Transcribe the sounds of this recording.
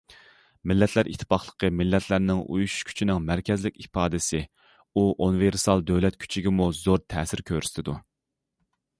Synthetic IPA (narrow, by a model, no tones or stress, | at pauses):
mɪlːɛt̪ʰlæɾʔḭt̪ʰːɪ̥pɑχlˠə̥qʰəmɪlːɛt̪ʰlæɾnɪŋṵjuʃkʲʰy̥t͡ʃʰinɪŋmæɾkʲɛzlɪkʲipɑːd̪ɪsɪ | uʔonveɾsɑlˠd̪øwlɛt̪̚kʲʰy̥t͡ʃʰiɡʲɛmuzoɾt̪ʰɛːsɪɾkʲʰøɾyst̪ɪd̪u